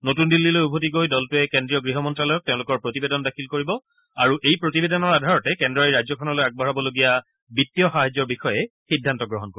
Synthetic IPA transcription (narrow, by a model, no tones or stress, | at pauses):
notundilːilojubʱotiɡojdɔltʊɛkendɹijɔɡɹiɦɔmɔntɹalɔjɔk̚tẽʊ̃lʊkɔɹpɹotibedɔndakʰilkoɹibɔ | aɹuʔejpɹotibedɔnɔɹadʱaɹɔtɛkɛndɹajɹajd͡ʑɔkʰɔnɔlojaɡ̚bʱɔɹabɔloɡija | bitːijɔxaɦad͡ʑːɔɹbixɔjɛxidʱːantɔɡɹɔɦɔnkoɹi